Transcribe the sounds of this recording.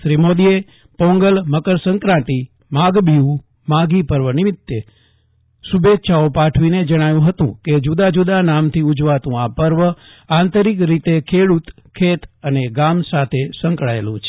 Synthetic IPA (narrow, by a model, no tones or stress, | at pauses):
ʃɾimod̪ie | pɔ̃ŋɡəlməkəɾsəŋkɾãʈ̪i | maɡbiũ | maɡipəɾʋənɪmɪt̪ːe | subet̪ːʃʰaopaʈʰʋined͡ʒəɽ̃ajũɦət̪ṵ̃ked͡ʒud̪ad͡ʒud̪anamt̪ʰiud͡ʒʋat̪ũapəɾʋə | ãnt̪əɾikɾit̪ekʰeɽut̪ | kʰːet̪əneɡamsat̪ʰesə̃ŋkɭaelũt͡ʃʰe̥